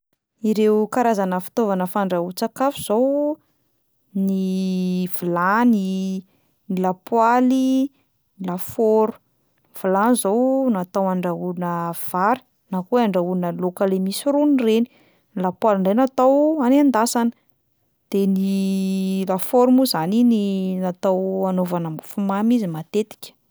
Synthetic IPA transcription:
iɾewkaɾazanəfi̥t̪ovanəfaɳɖ͡ʐaut͡sakafuz̥ow | ni | v̥ulani | nilapwali | nlafoɾu̥ | v̥ulanzownat̪awaɳɖ͡ʐauunəv̥aɾi̥ | nakuaɳɖ͡ʐaunəlokəlemisiɾunireni̥ | ilapwaliɳɖ͡ʐejnat̪awanand̪asanə̥ | d̪̥eni | lafoɾumuzanininat̪awanovanəmfumamizimat̪et̪i̥kʲə̥

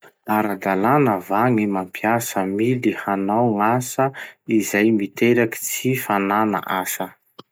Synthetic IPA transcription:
aɾad̪alanəvaŋimampʰjasəmilihanawŋasəizajmit̪eɾaki̥t͡sifanana̰ʔasə

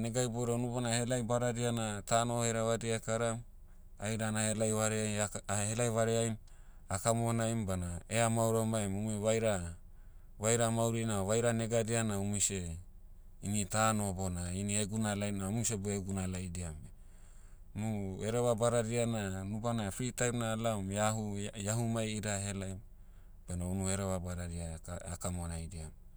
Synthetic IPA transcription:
neɡajboɾaunubanahelajbaɾaɾianatanoheɾaβadiakaɾam | ajɾanahelajβaɾeajhelajβaɾeajm | akamonajmbanaeamauɾamajmumuβajɾa | βajɾamawɾinaaβajɾaneɡadianaumise | initanobonainieɡunalajnamuseboeɡunalajdiamb | nueɾeβabaɾaɾiananubanafɾitanalamjaɦujaɦumajiɾaɦelajm | b̥anaunueɾeβabaɾaɾiaakamonajdiam

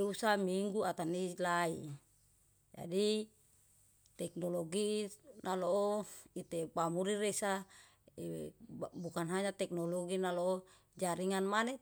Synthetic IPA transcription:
usamiŋɡuat̪anilai | d͡ʒa̰di | t̪ɛk̚noloɡinalooit̪epamuɾiɾesa | ewbukanɦaɲat̪ɛk̚noloɡinaloo | d͡ʒaɾiŋanmane

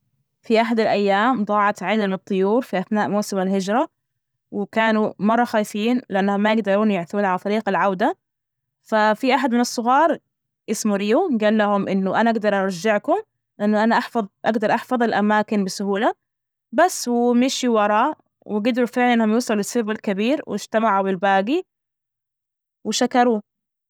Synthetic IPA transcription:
fiʔaħad̪ɪlʔajːaːmd̪ˤɑːʕɑt̪ʕɪlːɪmɨt̪ˤːʊjuːɾˤfiʔaθnaːʔmuːsɪmalhɪd͡ʒɾˤɑ | wɪkaːnumɑrˤːɑxaːjfiːnlɪʔanːahʊmːajɪɡ̚d̪ɑɾˤuːnjɪʕθuːnʕalat̪ˤɑɾiːqalʕawd̪a | fafiʔaħad̪mɪnɨsˤːʊɣɑːɾˤ | ʔɪsmuɾiːuɡaːlːahʊmʔɪnːʊʔanaʔaɡd̪ɑɾˤʔɑɾˤɑd͡ʒːɪʕkʊm | lɪʔanːʊʔanaʔaħfɑðˤʔaɡd̪ɑɾˤʔɑħfɑðˤɪlʔamaːkɪnbɪsʊhuːla | basːwɪmɪʃiwɑɾˤɑːʔ | wɪɡɪd̪ɾufɪʕliʔɪnːhʊmjuːsˤlɪsːʊbalkabiːɾwʔɪd͡ʒ̥t̪amaʕubɪlbaːɡi | wɪʃakɑɾˤuː

